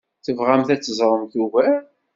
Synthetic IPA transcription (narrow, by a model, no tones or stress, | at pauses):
θəvʁæmθæt͡sːəzˤɾˤəmθuvæ